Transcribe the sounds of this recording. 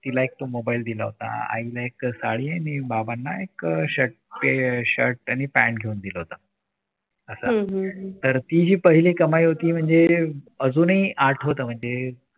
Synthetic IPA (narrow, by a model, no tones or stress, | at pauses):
t̪ilaek̚t̪omobaild̪ilaɦot̪a̰a̰ilaeksaɭiːanibabanːaekɕəʈ̚peɕəɾʈañipæɳɡʱeund̪ilaɦot̪a | əsaɦt̪əɾt̪id͡ʑiːpəɦiliːkəmaiɦot̪iːm̤əɳd͡zeəd͡zuːniʔaɾʈʰɦot̪əːm̤əɳd͡ze